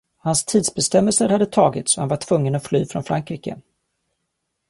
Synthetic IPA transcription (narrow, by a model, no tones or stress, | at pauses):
hanst̪ʰiːd̪sbɛst̪ɛmːəlsəɾhad̪ːət̪ʰɑːɡɪt̪sɔhanvaʈʰvɵŋːənɔt̪flyːfɾɔnfɾaŋkɾiːkə̰